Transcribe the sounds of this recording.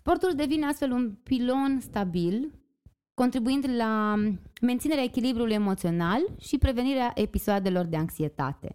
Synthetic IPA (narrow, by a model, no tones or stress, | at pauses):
spo̞rt̪uld̪e̞vineast̪fe̞lunpilo̞nst̪abil | ko̞nt̪ɾibuind̪la | ment̪sineeaekʲilibɾuluje̞mo̞t̪sio̞nalʃipɾe̞ve̞niɾeaʔe̞pisoad̪e̞lo̞rd̪e̞aŋksie̞t̪a̰t̪e̞̰